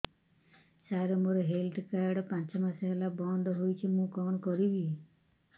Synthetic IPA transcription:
saɾɔmoɾɔɦelʈkaɾɖɔpãnt͡ʃɔmaseɦelabɔnd̪ʱɔɦojt͡ʃʰimũkɔnɔkɔɾibi

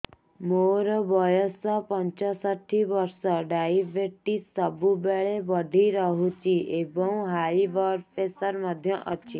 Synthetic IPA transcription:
moɾɔbɔjɔsɔpɔnt͡ʃɔsɔʈʰibɔɾsɔɖajibeʈisɔbubeɭebɔɖʱiɾɔɦut͡ʃʰiebɔw̃ɦaibɔɾpesɔɾmɔd̪ʱjɔʔɔt͡ʃʰi

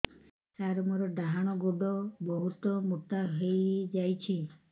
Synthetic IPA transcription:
t̪aɾɔmuɾɔɖaɦaɽ̃ɔɡuɖɔbɔɦut̪ɔmut̪aɦejd͡ʒajt͡ʃʰi

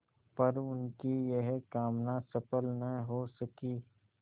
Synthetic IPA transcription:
pɐɾʊnkijeɦkaːmnasɐpəlnəɦĩɦosɐkiː

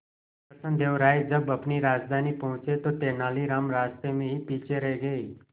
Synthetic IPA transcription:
pəsənd̪ʱeʋɾaid͡zəbəpniːɾaːd͡zd̪ʱaniːpəɦũt͡set̪ot̪enaliɾamɾast̪emeɦiːpiːt͡ʃeɾəjɡei

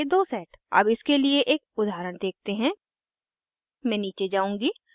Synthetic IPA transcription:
ed̪oːsɛːʈɐ̰bɪskelieʔeːk̚ʊd̪ʱaːɾəɽ̃d̪eːk̚t̪eɦɛ̃ː | mɛ̃ːniːt͡ʃed͡ʒaːũːŋɡiː

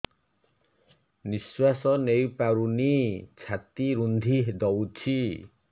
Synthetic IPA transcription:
niswasɔnejpaɾunit͡ʃʰat̪iɾund̪ʱiɦed̪ɔwt͡ʃʰi

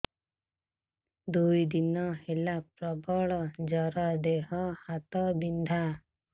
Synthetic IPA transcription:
d̪ujd̪inɔhelap̚ɾɔbɔɭd͡ʒʌɾɔd̪eɦɔhat̪ɔbind̪ʱa

